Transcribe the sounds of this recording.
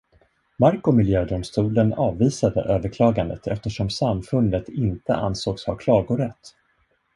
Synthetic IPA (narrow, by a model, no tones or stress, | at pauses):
maɾkʊmɪljøːd̪ʊmst̪uːlənɑːvːiːsad̪ə̰ʔøːvəɾkʰlɑːɡand̪ə̰t̪ʰɛ̰ft̪əʂɔmsamfɵnd̪ət̪ɪnt̪ə̰ʔa̰nsoːɡshaɾkʰlɑːɡʊɾɛt̪ː